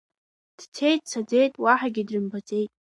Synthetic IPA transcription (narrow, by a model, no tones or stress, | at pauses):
d̥tʰe̞jtʼt͡sʰad͡ze̞jtʼwaħaɡʲɪdrɨmbat͡sʼe̞jtʼ